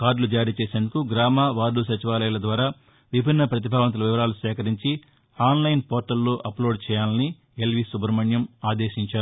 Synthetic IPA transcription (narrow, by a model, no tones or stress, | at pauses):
kaːɖlud͡ʒaːɾiːt͡ʃeːse̞ːnd̪ukuɡɾaːmaːʋaːɾlusɐt͡ʃiʋaːlɐjulɐd̪ʋaːɾaː | ʋibʱinːɐpɾɐt̪̬ibʱaːʋɐnt̪ulɐʋiʋɐɾaːlusɛːkɐɾiɲt͡ʃi | aːnlɐjnpoːɾʈɐlːuːʔɐploːɖ̚t͡ʃɛːjaːlɐni | elʋisubʱɐɾmɐɳjɐmaːd̪eːʃiɲt͡ʃaːɾuu